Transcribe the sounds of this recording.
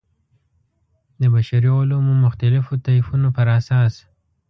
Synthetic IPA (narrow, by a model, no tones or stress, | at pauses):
d̪əbaʃaɾiolomumʊxt̪alɪfot̪aifunopəɾasɑs